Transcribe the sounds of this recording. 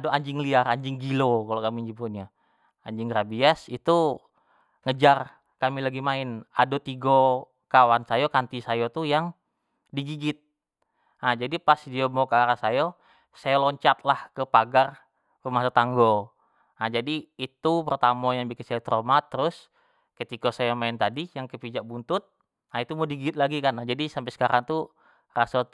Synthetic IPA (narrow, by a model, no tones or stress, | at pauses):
adoaɲd͡ʒɪŋliaraɲd͡ʒɪŋɡilokalokamiɲd͡ʒimpunɲa | aɲd͡ʒɪŋɡɾabiasit̪u | ŋəd͡ʒar | kamilaɡimaɪnadot̪iɡo | kawansajokant̪isajot̪ujaŋ | diɡiɡɪt̪̚ | ad͡ʒadipasdiomokaɾasajo | sajalɔɲt͡ʃat̪̚lahkəpaɡar | rumasat̪aŋɡo | nad͡ʒadiːt̪upərt̪amɔjaŋbikɪnsilt̪ɾomat̪əɾʊs | kət̪ikosajomaɪnt̪adijaŋkəpid͡ʒak̚bunt̪ʊt̪̚ | nait̪umodiɡiɡɪt̪̚laɡikanad͡ʒadisampɛsə̥kaɾaŋt̪u | rasa